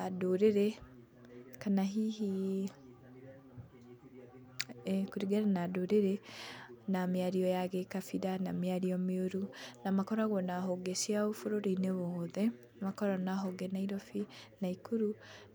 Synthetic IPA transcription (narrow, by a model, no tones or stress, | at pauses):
adoɾeɾɛ | kanaɦihi | kuɾiɡɛɾanadoɾeɾɛ | namiaɾiɔjaɣekafiɾanamiaɾiɔmeoɾunamakɔɾaɣwɔnaɦoɡesiaofoɾoɾiineβoðɛ | makɔɾɔnaɦoɡɛnaiɾɔfinaikuɾu